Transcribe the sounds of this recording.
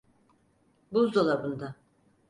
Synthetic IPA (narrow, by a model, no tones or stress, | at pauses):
buzd̪olˠabund̪a